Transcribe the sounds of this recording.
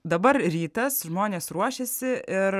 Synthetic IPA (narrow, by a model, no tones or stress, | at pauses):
d̪ɐbɐɾɾʲiːt̪ɐsʒmoːnʲeːsɾuɔʃʲesʲɪʔɪɾ